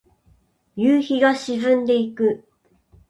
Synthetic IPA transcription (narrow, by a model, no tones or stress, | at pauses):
jɯːçiɡaɕizɨ̃nd̪e̞ikɯ̟